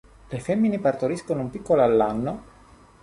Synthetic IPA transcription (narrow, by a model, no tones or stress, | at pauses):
lefɛmːinepart̪oɾiskonoumpikːoloalːanːo